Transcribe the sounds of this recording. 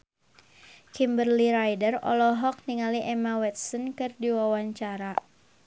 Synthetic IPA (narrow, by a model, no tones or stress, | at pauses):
kimbərliɾajdərɔ̰lɔɦɔk̚niŋaliʔɛmawɛt̪̚sɔnkɨrdiwawaɲt͡ʃaɾa